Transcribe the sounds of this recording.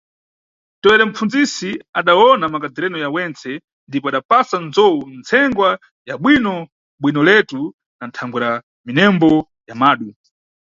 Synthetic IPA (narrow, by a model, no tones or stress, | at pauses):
tɔwɛɾɛm̩fund͡zisiaɗawɔnamakad͡ziɾɛnɔjawɛnt͡sɛ | ndipɔaɗapasanzɔunt͡sʰɛŋɡwa | jaɓwinɔ | ɓwinɔlɛtu | nantʰaŋɡwɛɾa | minɛmbɔ | jamaːɗu